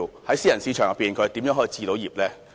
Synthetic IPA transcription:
hɐ˨˥jsiː˥jɐ˨˩nsiː˨˧˥t͡ʃʰœː˨˩ŋɐ˨piː˨˩nkʰɵ˨˧˥t̪iː˨˥mjœː˧˥ŋɦːt͡siː˧t̪o˨˥wjiː˨˩p̚lɛː˥

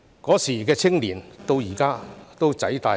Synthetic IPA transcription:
kɔː˨˥siː˨˩kɛː˧t͡sʰɪ˥ŋliː˨˩nt̪o˧wjiː˨˩kaː˥t̪o˥wt͡sɐ˨˥jt̪aː˧

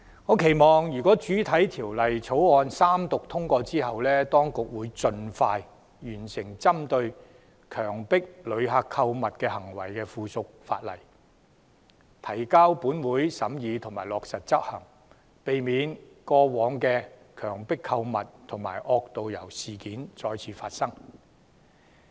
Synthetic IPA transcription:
ŋɔː˨˧˥kʰe˨˩jmɔː˨˩ŋjyː˨kɔː˨˥t͡ʃyː˨˥t̪ʰɐ˨˥jt̪ʰiː˨˩wlɐ˨jt͡sʰo˨˥wɔː˨˧nsaː˥mt̪ʊ˨k̚t̪ʰʊ˥ŋkʷɔː˧t͡siː˥ɦɐ˨wlɛː˥t̪ɔː˥ŋkʊ˨k̚wuː˨˧jt͡sɵ˧nfaː˧j | jyː˨˩nsɪ˨˩ŋt͡sɐ˥mt̪ɵ˧ɥ | kʰœː˨˩ŋpɪ˥k̚lɵ˨˧ɥɦaː˧kʰːɐ˧wmɐ˨t̚kɛː˧hɐ˨˩ŋwɐ̰˨˩jkɛː˧fuː˨˧sʊ˨k̚fa̰ː˧t̚lɐ̰˨˩j | t̪ʰɐ˨˩jkaː˥wpuː˨˥nwuː˨˥jsɐ˨˥mjiː˨˧t̪ʰʊ˨˩ŋmaː˨˩jlɔː˨k̚sɐ˨t̚t͡sɐ˥t̚hɐ˨˩ŋ | pe˨jmiː˨˧nkɔː˧wɔː˨˧ŋkɛː˧kʰœː˨˩ŋpɪ˥kʰːɐ˧wmɐ˨t̚t̪ʰʊ˨˩ŋmaː˨˩jʔɔː˧k̚t̪o˨wjɐ̰˨˩wsiː˨kiː˨˥nt͡sɔː˧jt͡sʰiː˨˧˥faː˧t̚sɐ˥ŋ

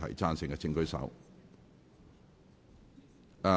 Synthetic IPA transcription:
ɐ̰˨˩jt͡saː˥nsɪ˨˩ŋkɛ˧t͡sʰɪ˧ŋkɵ˥ɥsɐ̰˨˥w

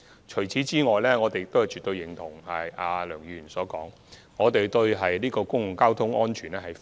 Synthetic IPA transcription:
t͡ʃʰɵ˨˩ɥt͡sʰiː˨˥t͡siː˥ŋɔː˨jlɛː˥ŋɔː˨˧t̪e˨jt̪o˥whɐ˨jt͡ʃyː˨t̪ːɵ˧ɥjɪ˨˩ŋt̪ʰʊ˨˩ŋhɐ˨jaː˨˧lœː˨˩ŋjyː˨˧jyː˨˩nsɔː˨˥kɔː˨˥ŋ | ŋɔː˨˧t̪e˨jt̪ɵ˧ɥɦɐ˨jliː˥kɔː˧kʊ˥ŋlʊ˨˩ŋkaː˥wt̪ʰʊ˥ŋʔɔː˥nt͡ʃʰyː˨˩nɛː˥hɐ˨j

